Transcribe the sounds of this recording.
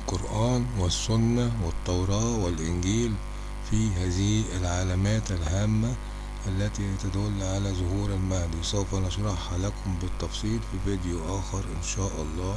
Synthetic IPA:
lqoɾʔæːnwɪsːʊnːæwɪt̪ˤːɑwɾˤɑːwɪlʔɪnɡiːl | fiɦæːzɪiʔɪlʕalæmæːt̪ælɦæːmːæ | ʔælːæt̪iht̪æd̪ʊlːʕalæzʊhuːɾalmahd̪isˤawfænɑʃɾˤɑħʕalæːkʊmbɪt̪ːɑfsˤiːlfivɪd̪juʔæːxɪɾˤʔɪnʃaːʔɑlˤːɑː

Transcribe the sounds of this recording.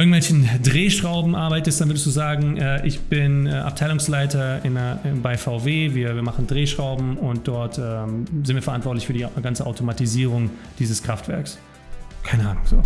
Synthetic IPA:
ɪɐɡŋ̩tv̥ɛlçn̩dʁeːʃʁ̥aʊbm̩ʔaɐbaɪtəstd̥anvʏɐdəsd̥uːzaːɡŋ̩ʔɛːʔɪçb̥ɪnɛʔa̰ptʰaɪlʊŋslaɪtʰɐʔɪnɐbaɪfaʊveːviːɐviːɐmaχn̩dʁeːʃʁ̥aʊbm̩ʊnt̚d̥ɔɐtʰɛːmzɪntv̥iɐɛɐʔantv̥ɔɐtlɪçfyːɐdiːɡant͡səʔaʊtʰomatiziːʁ̞ʊŋ | d̥iːzəskʁ̥aftv̥ɛ̰ɐks | kʰaɪnəʔaːnʊŋz̥o̰ː

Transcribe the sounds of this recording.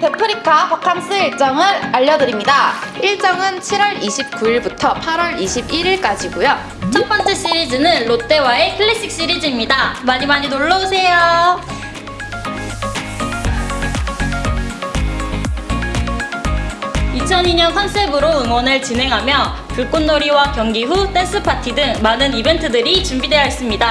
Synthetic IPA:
pepʰɯɾikʰapakʰans͈ʰɯt͡ɕ͈ʌŋɯɾaʎːʌdɯɾimɲidaiɭt͡ɕ͈ʌŋɯnt͡ɕʰiɾwʌɾiɕʰip̚k͈uiɭbutʰʌpʰaɾwʌɾiɕʰibiɾiɭk͈ad͡ʑiɡujo | t͡ɕʰʌŋp͈ʌnt͡ɕ͈eɕ͈iɾid͡ʑɯnɯnɭot͈e̞wae̞kʰɯɭːiɕ͈ik̚ɕ͈iɾid͡ʑimɲidamaɲimaɲinoɭːʌosʰe̞jo | it͡ɕʰʌniɲʌnɸwansʰebɯɾoɯŋwʌnɯɭt͡ɕinɦe̞ŋɦamjʌ | puɭk͈onːoɾiwakjʌŋɡiɸut͈ʰens͈ʰɯpʰatʰidɯŋmanɯnibe̞ntʰɯdɯɾit͡ɕumbidwe̞jʌɦes͈ɯmɲida

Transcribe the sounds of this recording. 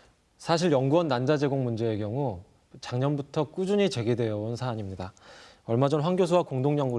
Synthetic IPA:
sʰaɕ̬ʰiɾjʌŋɡuwʌnːand͡ʑad͡ʑe̞ɡoŋmund͡ʑe̞ekjʌŋu | t͡ɕaŋɲʌnbutʰʌk͈ud͡ʑuɲit͡ɕe̞ɡedwe̞jʌonsʰaːɲimɲida | ʌɭmad͡ʑʌnɸwaŋɡjos̬ʰowakoŋdoŋɲʌŋɡu

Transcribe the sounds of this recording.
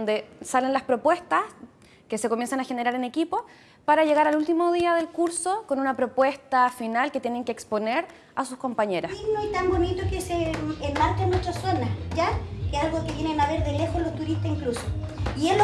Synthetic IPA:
nd̪esalenlaspɾo̞pwe̞st̪as | kese̞ko̞mje̞nsanaxe̞neɾaɾene̞kipo | paɾaʝe̞ɣaɾalult̪imoð̞iaðe̞lkuɾso̞konunapɾo̞pwe̞st̪afinalket̪je̞neŋkeːkspo̞neɾ | asusko̞mpaɲe̞ɾaiɣnoit̪ambonit̪okeseːmːaɾt͡ʃanwest̪ɾaswonaɟ͡ʝakealɣokeβjenenaβeɾðelexozlost̪uɾiht̪asiŋklusoiel

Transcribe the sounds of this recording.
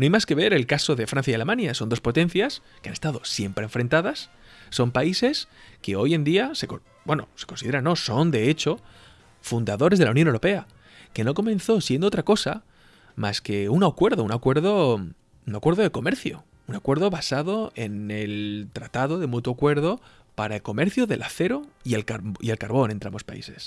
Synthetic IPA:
noajmaske̞β̞e̞ɾe̞lkaso̞ðe̞fɾan̟θjajale̞mãnjaso̞nd̪opo̞t̪ẽ̞n̟θjaskeane̞st̪aðo̞sje̞mpɾẽɱfɾe̞nt̪aðasː | o̞mpaise̞ske̞o̞je̞nd̪iase̞ko | bwe̞no̰se̞̥ko̞nsiðeɾanːo̞so̞nd̪e̞et͡ʃo̞ | fund̪aðo̞ɾe̞zðelaunjonewɾo̞pea | ke̞no̞ko̞mẽ̞nθo̞sje̞nd̪oot̪ɾako̞sa̰ | maske̞unakwe̞ɾðounakwe̞ɾðo | unakwe̞ɾðo̞ðe̞ko̞me̞ɾθjo̰ | unakwe̞ɾðo̞βasaðoe̞ne̞lt̪ɾat̪aðo̞ðe̞mut̪woakwe̞ɾðo̞ | paɾaelko̞me̞ɾθjoðe̞lʔaθe̞ɾo̞ie̞lkaɾie̞lkaɾβ̞o̞ne̞nt̪ɾambo̞spa̰ḭse̞s

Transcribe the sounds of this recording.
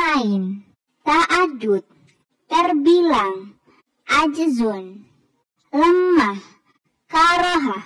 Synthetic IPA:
ain | t̪aʔad͡ʒut̪̚ː | ərbilaŋ | ʔad͡ʒəzɔn | ləmːah | kaɾɔɦa

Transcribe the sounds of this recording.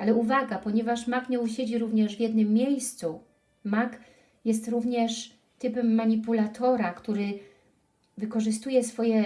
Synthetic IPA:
alɛuvaɡapɔɲɛvaʂmakɲɛuɕed͡ʑiɾuvɲɛʐvʲjɛd̪nɘmːʲjejst̪su | mak | jɛs̬t̪ɾuvɲɛʂ | t̪ɘpɛmːaɲipulat̪ʰɔɾakt̪uɾɘ | vɘkɔʐɘst̪ujɛsfɔjɛ

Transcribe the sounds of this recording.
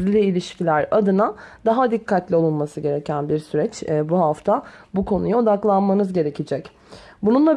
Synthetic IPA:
lʲiːlʲiʃcʰilʲæɾad̪ɯnad̪aɦad̪ikʰːat̪lʲio̞lˠunˠmasɯɟe̞ɾecʰænbiɾsyɾɛt͡ʃːbuɦaft̪ʰabukʰo̞nujao̞d̪aklˠanmanɯzɟe̞ɾe̞cʰid͡ʒɛc | bununlˠa

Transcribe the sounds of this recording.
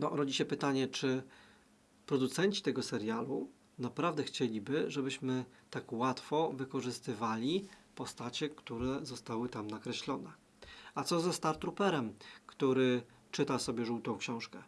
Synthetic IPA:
nɔʔɾɔd͡ʑiɕɛpɘt̪aɲɛt͡ʂɘ | pɾɔd̪ut̪sɛɲt͡ɕi̥t̪ɛɡɔsɛɾjalu | napɾavd̪ɛxt͡ɕelʲibɘʐɛbɘɕmɘt̪akwat̪fɔvɘkɔʐɘst̪ɘvalʲipɔst̪at͡ɕɛkt̪uɾɛzɔst̪awɘt̪amnakɾɛɕlɔnɛ | at̪sɔzast̪aɾt̪ɾupɛɾɛmkt̪uɾɘ | t͡ʂɘt̪asɔbʲjɛʐuwt̪ɔ̃w̃kɕɔ̃w̃ʂkɛ

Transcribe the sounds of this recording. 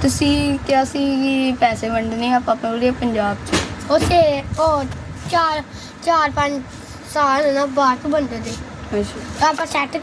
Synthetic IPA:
t̪ʊsĩːkjaːsĩːipɛːseːbəɳd̪eːnĩːaːpãːpẽoɾieːpəɲd͡ʒaːbt͡ʃiot̪ʰːeːoːt͡ʃaːɾ | t͡ʃaːɾpəɲt͡ʃ | saːlnːnaːbaːɾt̪õːbənd̪eːd̪eː | əʃʰaːaːpãːsɛːʈ

